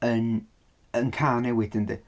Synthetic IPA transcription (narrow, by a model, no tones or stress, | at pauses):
ən | ənkʰaːnɛwɪdəndɪ